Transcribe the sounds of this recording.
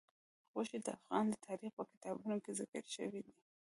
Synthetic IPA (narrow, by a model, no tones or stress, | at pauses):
ɣoʃid̪əa̰fɣɑnd̪ət̪ʰɑɾixpəkɪ̥t̪ɑbunokezɪkə̰ɾʃə̰wid̪i